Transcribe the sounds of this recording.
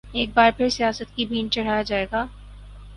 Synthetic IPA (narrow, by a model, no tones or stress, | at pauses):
eːk̚baːɾpʰɪɾsijaːsət̪̚kibʱiːnt͡ʃɐɽ̤aːjad͡ʒaːeːɡaː